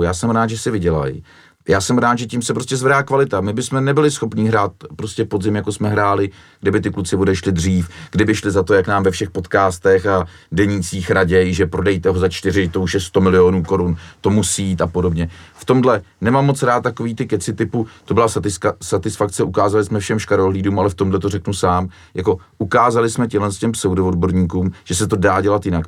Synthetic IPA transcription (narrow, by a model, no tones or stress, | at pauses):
jaːsɛmɾaːt̪ʒɛsɪvɪɟɛla̰j | jaːsɛmɾaːt̪ʒɛcimsɛpɾoscɛzvɛdaːkvalɪt̪amɪbɪsmɛnɛbɪlɪsxo̞pɲiːɦɾaːt̪̚pɾo̞scɛpo̞dzɪmjako̞smɛɦɾaːlɪ | ɡ̥dɪbɪt̪̬ɪklut͡sɪvodɛʃlɪdr̝iːfɡdɪbɪʃlɪzat̪o̞jaknaːmvɛfʃɛxpo̞t̪kaːst̪ɛxa | dɛɲiːt͡siːxɾaɟɛjʒɛpɾo̞dɛjt̪ɛɦozat͡ʃt̪ɪrɪt̪o̞uʃjɛst̪o̞mɪlɪonuːko̞ɾunt̪o̞musiiːt̪apo̞do̞bɲɛft̪o̞mdlɛnɛmamːo̞t͡sɾaːt̪̚t̪ːakoviːt̪ɪkɛt͡sɪt̪ɪput̪o̞bɪlasɪsat̪ɪsfakt͡sɛukaːzalɪsmɛfʃɛmʃkaɾoɦliːduːmalɛft̪o̞mdlɛt̪orɛknusaːm | jako̞ʔukaːzalɪsmɛcɪmɦlɛnscɛmsowdovod̚bo̞ɾɲiːkuːmʒ̥ɛsɛt̪o̞daːɟɛlat̪jɪnak